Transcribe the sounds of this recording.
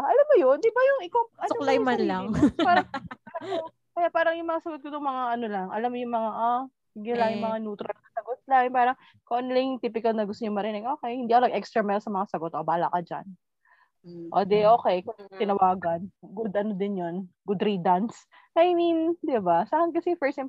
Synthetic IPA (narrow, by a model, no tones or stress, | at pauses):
ʔɐlamːojond̪ɪbajʊŋɪkoʔɐolajmanlapaːɾɐŋpaɾɐo | kɐjaːpaːɾɐŋjʊŋmɐŋasɐɡot̪̚kot̪ʊŋmɐŋaʔɐnolɐŋʔɐ̰lamːojʊŋmɐŋaʔa | biɡɪlɐŋjʊŋmɐŋanuːt̪ɾɐkɐ̥sɐɡot̪̚lɐjŋpaːɾɐŋ | koʔonlɐŋŋt̪iːpɪkɐlnɐɡʊst̪oɲʊŋmɐɾɪnɪɡʔo̞ːkɛjhɪnd̪iːɐkolɐɡʔɛkst̪ɾɐmɛlsɐmɐŋasɐɡo̞t̪ʔobaːla̰kɐd͡ʒa̰n | ʔo̰d̪ɛʔo̞ːkɛjkɐt̪ɪnɐwaːɡɐnɡʊd̪ʔɐnod̪ɪnjonɡʊd̪ɾid̪ans | ʔɐjmind̪ɪbasaːhɐnkɐsifɛɹsɪm